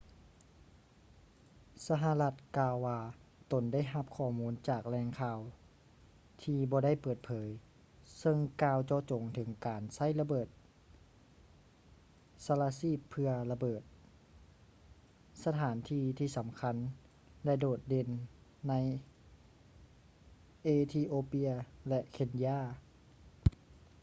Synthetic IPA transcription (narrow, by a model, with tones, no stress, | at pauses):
sa˧ɦa˧la˧t̪̚kaː˧wːaː˧t̪o˨˩nda˥˩jɦa˧p̚kʰɔː˧˩muː˧˥˨nt͡ɕaː˨˩k̚lɛː˧ŋkʰaː˧w | t̪ʰiː˧bɔː˧˦da˥˩jpɤː˨˩t̪̚pʰɤː˩˦j | sɤ˧ŋkaː˧wt͡ɕɔː˧t͡ɕo˨˩ŋt̪ʰɯ˨˩˦ŋkaː˨nsa˥˩jla˧bɤː˨˩t̪̚ | sa˧laː˧siː˧˥˩pʰːɯ˧ɐla˧bɤː˨˩t̪̚ | sa˧t̪ʰaː˩˦nt̪ʰiː˧t̪ʰiː˧˩sa˨˩˦mkʰa˧˥˨n | lɛ˧˥doː˨˩t̪̚de˧˩nːa˧˥j | ʔeː˧t̪ʰiː˧ʔoː˧pi˧˥ɐlɛ˧ʔkʰe˧ndi˧aː˧˥˩